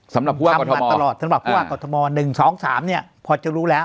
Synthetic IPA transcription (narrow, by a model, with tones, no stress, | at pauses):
sa˨˩˦mɾa˨˩pʰːu˦˧˦a˥a˧kːɔ˧mʰː˧˨˧a˧lɔː˨˩t̪̚ʰːmbtpʰu˥˩waː˥˩kɔː˧t̪ʰɔ˧mɔː˧nɯ˨˩ŋsɔː˩˦ŋsaː˩˦mni˥˩ɐpʰɔː˧t͡ɕa˨˩ɾuː˦˥lɛː˦˥